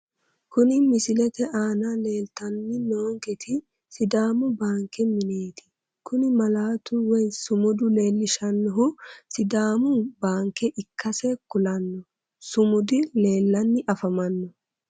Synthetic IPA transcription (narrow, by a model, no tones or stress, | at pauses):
kʊnɪmɪsɪlɛt̪ɛʔaːnale̞ːlt̪ɐnːɪnoːŋkɛt̪ɪ | sɪd̪aːmʊbaːŋkɛmɪne̞ːt̪ɪ̥ | kʊnɪmɐlaːt̪ʊwɔjsʊmʊd̪ʊle̞ːlːɪʃɐnːɔɦʊsɪd̪aːmʊbaːŋkːɛʔɪkːɐsɛkʊlɐnːɔ | sʊmʊd̪ɪle̞ːlːɐnːɪʔɐfɐmɐnːɔ